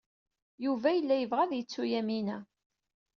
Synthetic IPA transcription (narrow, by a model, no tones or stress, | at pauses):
juvæjəlːæjəvʁæðjət͡sːujæminæ